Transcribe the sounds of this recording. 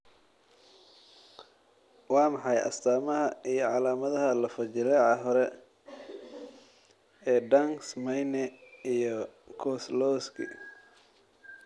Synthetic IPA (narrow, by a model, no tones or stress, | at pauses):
wɑːmɑħɑjʔɐ̰st̪ʰaːmɐɦɐijɞʕɑlaːmɐðɐɦɐlɐfɐt͡ʃɪlɛʕɑɦɔɾɛ | ɛːɖɐŋsmɐjnɛijɔ | kʰɔslɔːskʰḭ